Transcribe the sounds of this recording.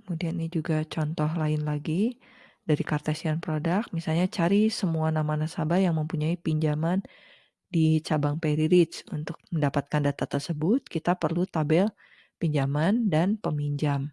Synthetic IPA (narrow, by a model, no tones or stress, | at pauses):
kəmudianinid͡ʒuɡat͡ʃɔnt̪ɔɦlaɪnlaɡi | daɾikart̪asianpɾodak̚misalɲat͡ʃaɾisəmuanamanasabajaŋməmpuɲaipiɲd͡ʒaman | dit͡ʃabaŋpeɾiɾɪt͡ʃunt̪ʊk̚məndapat̪̚kandat̪at̪ərsəbʊt̪̚kit̪apərlut̪abɪl | piɲd͡ʒamandanpəmiɲd͡ʒam